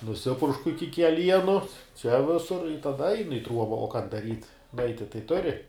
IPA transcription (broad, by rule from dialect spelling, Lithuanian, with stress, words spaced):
nʊˈsʲɪpʊrʃkʊ ˈɪkʲɪ kʲɛˈlʲiɛnʊ t͡ʃʲɛ ˈʋʲɪsʊr ɪ tɐˈdɐ ˈɐɪnʊ ɪ ˈtruɔbɐ oː kɐn dɐˈrʲiːt ˈnʊɐɪtʲɪ tɐɪ ˈtʊrʲɪ